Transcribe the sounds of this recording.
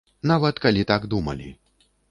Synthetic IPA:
navɐt̪kalʲit̪aɡd̪umɐ̰lʲḭ

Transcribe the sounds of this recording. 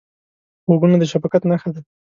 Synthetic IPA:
xoɡunad̪əʃabakat̪naxad̪a

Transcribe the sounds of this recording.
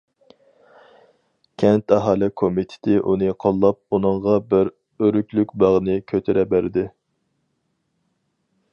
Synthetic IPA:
kʲʰɛnt̪ɑɦɑːlˠɪkʰomit̪ʰɪ̥t̪ʰɪʔunɨqʰolˠːɑp̚unɨŋʁɑbɪɾ | øɾykʲlykʲbɑʁnɨkʲʰøt̪ʰɪɾɛbæɾɪd̪ɪ

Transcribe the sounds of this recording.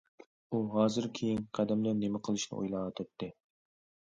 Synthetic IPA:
uɦɑːzɨɾkʲʰejinqʰæd̪ɛmlɨnemɪqʰəlˠɨʃnɨ̰ʔṵjlˠɑːt̪ʰop̚t̪ʰːɨ

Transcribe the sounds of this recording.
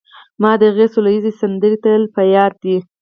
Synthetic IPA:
mɑd̪əɣesolajizesand̪əɾit̪əlpajɑɾd̪i

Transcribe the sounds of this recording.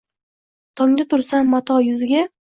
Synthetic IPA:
t̪ʰɒŋd̪at̪ʰʊɾsamːat̪ʰɒjʊzɪɡʲa

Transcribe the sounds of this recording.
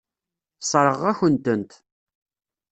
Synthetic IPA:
sˤɾˤəʁæçənt̪ənt̪

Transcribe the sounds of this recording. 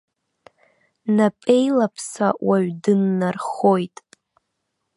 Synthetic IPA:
napʼe̞jlapʰsawaɥdɨnːarχo̞jtʼ

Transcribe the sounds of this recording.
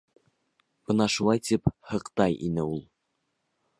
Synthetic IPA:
b̥ɤnɑʃulˠɑjt̪iphɤ̆qt̪ɑjḭnɘulˠ

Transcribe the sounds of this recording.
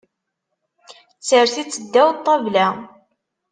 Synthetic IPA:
t͡sːəɾθit͡sːəd̪ːæwt̪ˤːɑvlæ

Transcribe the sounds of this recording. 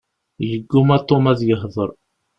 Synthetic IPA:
jəɡːumæt̪ˤːomæðjəɦðˤəɾˤ

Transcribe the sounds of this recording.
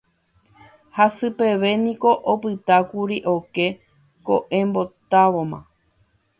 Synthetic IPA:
hasɨpe̞ʋe̞nĩko̞ʔopɨt̪akuɾiʔo̞ke̞ | ko̞̰ʔẽmbo̞t̪aʋo̞mã̰

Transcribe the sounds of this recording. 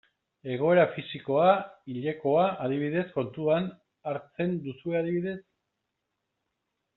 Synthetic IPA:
e̞ɣ̞o̞e̞ɾafisiko̞aiʎe̞ko̞aaðiβiðe̞sko̞nt̪uan | aɾt͡se̞nd̪usue̞að̞iβiðe̞s

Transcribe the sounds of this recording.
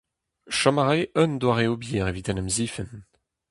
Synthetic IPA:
ʃɔmaʁeʔœnd̪waʁeobjiːʁevit̪ɛnɛmziːfən

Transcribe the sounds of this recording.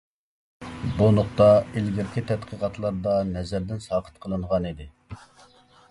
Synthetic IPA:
bunʊχt̪ɑilɡʲiɾkʲʰit̪ʰɛt̪qʰəqɑt̪ʰlˠɑɾd̪ɑnɛzæɾd̪ɪnsɑːqʰə̥t̪̚qʰəlˠɨɴʁɑnid̪ɪ

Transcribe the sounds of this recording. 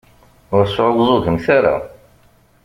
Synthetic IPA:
ʊɾsʕwzˤʊʝəmθaɾa̰

